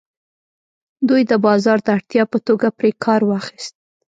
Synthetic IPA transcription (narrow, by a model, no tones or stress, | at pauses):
d̪ujd̪əbɑzɑɾd̪əaɽt̪jɑpət̪oɡapɾekʰɑɾwɑxist̪̚